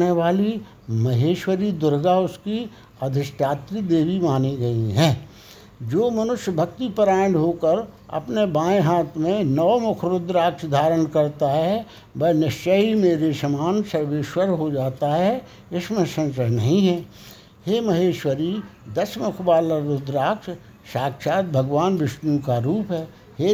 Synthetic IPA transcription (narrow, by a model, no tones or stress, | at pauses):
eʋaːli | mɐɦeːʃwəɾid̪ʊɾɡaʊski | əd̪ʱɪsʈaːt̪ɾid̪eːʋimaːniɡɐiɦɛ̃ː | d͡ʒoːmɐnʊʃjəbʱɐk̚t̪ipəɾaːɽɦoːkəɾ | ɐ̰pnebãːẽɦaːt̪ʰmẽnɔʋmʊkʰɾʊd̪ɾaːksd̪ʱaːɾənkɐɾt̪aɦɛ | bɐnəʃt͡ʃəimeːɾesɐmaːnsəɾʋeːʃwəɾɦod͡ʒaːt̪aɦɛ | ɪsmẽsə̃nsəɾnɐɦĩɦɛː | heːmɐɦeːʃwəɾid̪əsmʊkʰbaːləɾʊd̪ɾaːkʃ | ʃaːkʃaːt̪̚bʱəɡʋaːnʋɪʃnũkaɾuːpɦɛː | heː